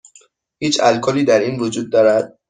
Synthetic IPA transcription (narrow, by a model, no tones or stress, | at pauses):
hiːt͡ʃʰælkʰɔːliːd̪æɾiːnvod͡ʒuːd̪̚ːɒːɾæd̪̥̚